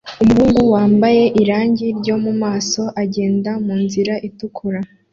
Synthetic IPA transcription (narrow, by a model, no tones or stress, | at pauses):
umhuːŋɡuwaːmbaje̞ʔiɾaːɲɟiɾɟo̞mumaːso̞ʔaɟe̞ːndamuːnziɾaʔitukʰuɾa